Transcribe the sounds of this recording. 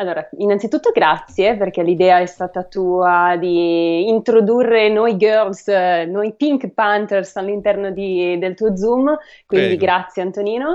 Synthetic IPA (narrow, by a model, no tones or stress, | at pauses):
alːoːɾainːant̪it̪ut̪ːoɡɾat̪sːjeperk̟ɛlid̪ɛːaɛst̪aːt̪at̪uːad̪iːnt̪ɾod̪urːenɔjɡørlsnɔjpiŋkpant̪ersalːint̪ɛrnod̪id̪elt̪uːod̪zum | kwind̪iɡɾat̪sːjeant̪oniːno